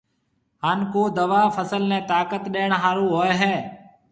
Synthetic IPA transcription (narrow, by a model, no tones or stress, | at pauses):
ɦaːnkoːd̪əʋaːfəsəlnẽːt̪aːkət̪ɗeːɳ̃ɦaːɾũːɦoːeɦɛː